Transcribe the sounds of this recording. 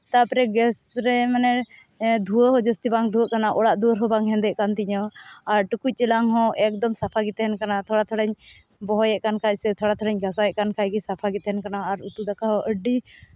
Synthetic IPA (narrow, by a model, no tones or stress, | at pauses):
t̪apɾɛɡɛsɾɛmanɛ | d̪ʱuəɦɔd͡ʒəst̪ibaŋd̪ʱuəʔkanaʔɔɽaʔd̪uəɾɦɔbaŋɦɛ̃nd̪ɛʔkant̪iɲɔaɾʈukuc̚t͡ʃɛlaŋɦɔ̃ʔɛk̚d̪ɔmsapʰaɡit̪ɛɦɛnkanat̪ʰɔɽat̪ʰɔɽɛɲ | bɔɦɔjɛʔkankʰacsɛt̪ʰɔɽat̪ʰɔɽɛɲɡʱasajɛʔkankʰajɡisapʰaɡit̪ɦɛnkanaːɾut̪ud̪akaɦɔʔəɖi